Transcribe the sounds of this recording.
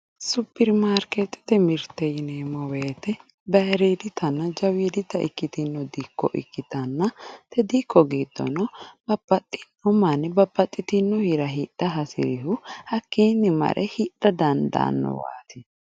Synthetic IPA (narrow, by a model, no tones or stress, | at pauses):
supːɛɾmaːɾket̪ːɪ̥t̪ɛmɪɾt̪ːɛjɪneːmɔweːt̪ɛ | bɐɾeːd̪ɪt̪ʰːɐnːɐd͡ʒɐwiːd̪ɪt̪ːɐʔɪ̰kːɪt̪ɪnːɔd̪iːkːɔ̰ʔɪ̰kːɪt̪ɐnːɐt̪ɛd̪iːkːɔɡiːd̪ːɔ̰nɔbɐbɐt̪ʼːɪ̥nːɔmɐnːɪbɐbːɐt̪ʼːɪt̪ɪnːɔhiɾɐɦiːᶑ̥ɐɦɐsɪ̰ɾɪhʊhɐkːiːnːɪmɐ̰ɾʔɛ̰hiᶑɐd̪ɐnd̪ɐ̰nːɔ̰wa̰ːt̪ɪ